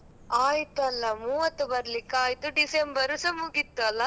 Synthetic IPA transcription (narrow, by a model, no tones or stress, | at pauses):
aːjt̪uɐlːɐmuːʋɐt̪ːubɐɾɐlikːaːjt̪uɖisembɐɾusɐmuɡit̪ːuɐlːɐ